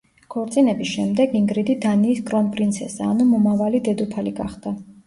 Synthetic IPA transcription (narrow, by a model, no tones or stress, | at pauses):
kʰɔɾt̪sʼinɛbisʃɛmd̪ɛɡiŋɡɾid̪id̪aniːskʼɾɔnpʼɾint̪sʰɛsaːnumɔmavalid̪ɛd̪upʰaliɡaχd̪̥a